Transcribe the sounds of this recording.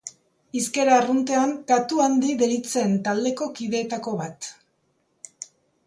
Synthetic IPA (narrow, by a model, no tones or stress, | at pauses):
iske̞ɾarunt̪e̞aŋkat̪uand̪iðeɾit͡sent̪ald̪e̞ko̞kiðe̞ːt̪ako̞βat̪